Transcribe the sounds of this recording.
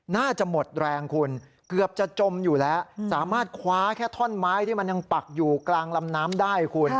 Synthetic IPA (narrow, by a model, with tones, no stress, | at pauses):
naː˥˩t͡ɕa˨˩mo˨˩t̪̚ɾɛː˧ŋkʰu˧n | kɯ˨˩əp̚t͡ɕa˨˩t͡ɕo˧mjuː˨˩lɛ˦˥saː˩˦maː˥˩t̪̚kʰwaː˦˥kʰɛː˥˩t̪ʰɔ˥˩nmaː˦˥jt̪ʰiː˥˩ma˧nja˧ŋpa˨˩k̚juː˨˩klaː˧ŋla˧mnaː˦˥mdaː˥˩jkʰu˧n